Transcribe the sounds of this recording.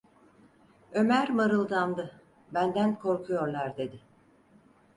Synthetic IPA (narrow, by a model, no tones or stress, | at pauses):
ø̞mæɾmaɾɯlˠd̪amd̪ɯ | bænd̪ænkʰo̞ɾkʰujo̞ɾlˠaɾd̪e̞d̪ɪ